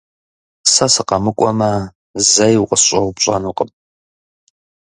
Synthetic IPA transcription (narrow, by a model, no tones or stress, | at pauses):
sɐsɨqɐmɨkʷʼɔmɐ | zɐjqʷʼəsɕʼɐwpɕʼɐ̰nuːqʼəm